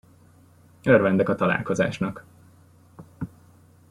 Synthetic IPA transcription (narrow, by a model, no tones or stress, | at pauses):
ørvɛnd̪ɛkɒt̪ɒla̰ːlko̞za̰ːʃnɒk